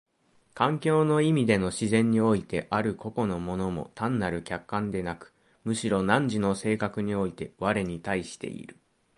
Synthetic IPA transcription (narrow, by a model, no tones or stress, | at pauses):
kãŋkʲo̞ːno̞imʲid̪e̞no̞ɕizẽ̞ɲ̟ːio̞it̪e̞ʔaɾɯ̟ko̞ko̞no̞mo̞no̞mo̞̰t̪ãnːaɾɯ̟kʲakːãnd̪e̞nakɯ̟̥ | mɯ̟ɕiɾo̞nãɲ̟d͡ʑino̞se̞ːkakɯ̟ɲ̟io̞it̪e̞βaɾe̞ɲ̟it̪aiɕi̥t̪e̞̰ʔḭɾɯ̟